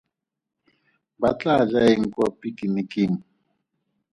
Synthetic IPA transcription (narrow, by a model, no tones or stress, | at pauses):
bat͡ɬʼad͡ʒaeŋ̩kʼɔpʼikʼinikʼiŋ̩